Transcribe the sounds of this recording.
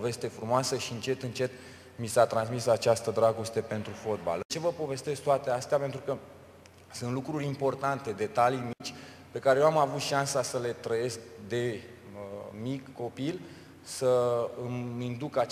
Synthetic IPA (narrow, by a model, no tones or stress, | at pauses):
ve̞st̪e̞fɾumoasəʃiɨnt͡ʃe̞t̪ɨnt͡ʃe̞t̪̚ | misat̪ɾansmisat͡ʃast̪əd̪ɾaɡost̪e̞pe̞nt̪ɾufot̪̚ba̰lt͡ʃevəpo̞ve̞st̪e̞sɡt̪oat̪east̪eape̞nt̪ɾukə | sɨnt̪lukɾurʲimpo̞rt̪ant̪e̞d̪e̞t̪alijmit͡ʃʲ | pe̞kaɾejewamavut̪ʃansasəle̞t̪ɾəje̞sk̚d̪e̞ | mikːo̞pil | səɨmind̪ukat͡ʃ